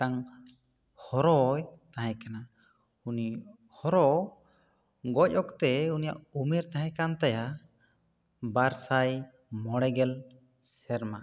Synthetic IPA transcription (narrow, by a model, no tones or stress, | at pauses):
aŋ | hɔɾɔjt̪aɦɛ̃kana | uni | hɔɾɔ | ɡɔc̚ɔkt̪ɛunija̰ʔumɛɾt̪ãɦɛ̃kant̪aja | baɾsaj | mɔɽɛɡɛl | sɛɾma